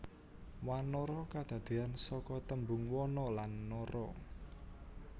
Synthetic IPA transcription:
wanɔɾɔkad̪̥a̤d̪̥e̤ansɔkɔt̪əmbʊŋwɔnɔlanːɔɾɔ

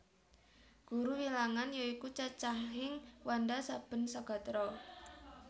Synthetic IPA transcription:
ɡ̥uɾuwilaŋanjɔikut͡ʃat͡ʃaɦɪŋwandasab̥ə̤nsaɡ̥a̤t̪ɾɔ

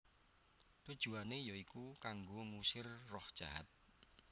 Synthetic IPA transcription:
t̪ud̥ʒ̥ṳanejɔikukaŋɡoŋusɪrːɔhd̥ʒ̥aɦat̪̚

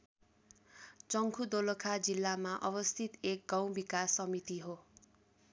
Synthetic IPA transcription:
t͡sʌŋkʰud̪olokʰad͡zilːamaʔʌbʌst̪ʰit̪ek̚ɡʌ̃w̃bikasʌmit̪iɦo

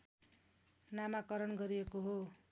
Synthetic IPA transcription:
namakʌɾʌnɡʌɾiekoɦo

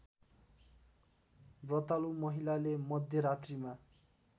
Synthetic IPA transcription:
brʌt̪alumʌɦilalemʌd̪ʱjʌɾat̪rima

